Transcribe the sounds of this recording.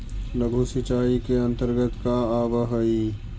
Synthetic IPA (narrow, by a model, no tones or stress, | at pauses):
ləɡʱusɪt͡ʃaːikeɐ̃nt̪əɾɡət̪kaaːbəɦəi